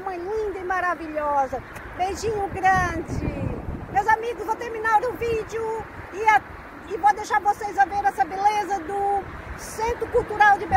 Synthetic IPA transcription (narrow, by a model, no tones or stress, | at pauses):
mɐ̃j̃lĩnd̪ɐimaɾaviʎɔzɐ | bejʒĩɲʊɡɾɐ̃d͡ʒɪmewzamiɡʊzvɐ̃w̃t̪eɾmĩnaɾʊ̃vid͡ʒjʊ | ɪa | ɪvod̪ejʃaɾvosejzɐveɾɛsɐbelezɐd̪ʊ | sẽnt̪ɾʊkuwt̪uɾawd͡ʒɪbe